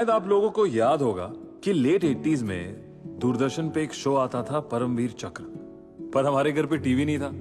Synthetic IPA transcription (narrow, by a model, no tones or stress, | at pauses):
ʃaːjəd̪aːp̬loːɡõkojaːd̪ɦoːɡa̰ː | kileːʈeːʈiːzmḛ̃ | d̪uːɾd̪əɾʃənpeeːkʃoːaːt̪at̪ʰapɐɾə̃mʋiːɾt͡ʃɐkɾ | pɐɾɦɐm̤aːɾeɡʱɐɾpeʈiːʋinɐɦĩt̪ʰaː